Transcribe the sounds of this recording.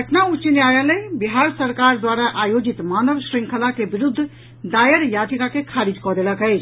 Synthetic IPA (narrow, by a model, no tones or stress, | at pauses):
kəʈʰnaut͡ʃineajalebiɦaɾsəɾkaɾd̪waɾaʔajod͡ʒit̪manəʋsɾiŋkʰəlakebiɾud̪ʱː | d̪ajəɾjad̪ʱikakekʰaɾid͡ʒkɔd̪eləkəjt͡ʃʰ